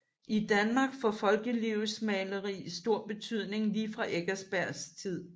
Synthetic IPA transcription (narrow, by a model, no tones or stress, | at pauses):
ʔid̥ænmɑ̈ːɡ̥fɒfɒ̽lɡ̥əliʊsmɛːləʁḭːsd̥o̝ɐ̰b̥e̝t͡sʰyð̞̰ˠne̝ŋliːfʁɑ̈ʔeɡ̥æsb̥æɐ̰st͡sʰið̰ˠ